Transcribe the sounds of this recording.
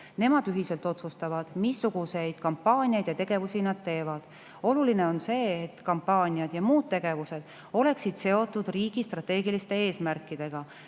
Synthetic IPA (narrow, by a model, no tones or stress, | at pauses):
ne̞mɑd̪yɦise̞lt̪ˑo̞t̪sust̪ɑvɑd̪̥misːuɡ̥use̞jd̪̥kɑmpːɑːnʲiejd̪̥jɑt̪e̞ɡ̥e̞vusinɑd̪̥t̪e̞ːvɑd̪̥ | o̞luline̞o̞nse̞ːt̪kɑmpːɑːnʲiɑd̪̥jɑmuːd̪̚t̪ːe̞ɡ̥e̞vuse̞d̪̥ | o̞le̞ksid̪̥se̞o̞t̪ːˑud̪̥riːɡ̥ist̪rɑt̪ːe̞ːɡilist̪e̞e̞ːsmærkːˑid̪̥e̞ɡ̥ɑ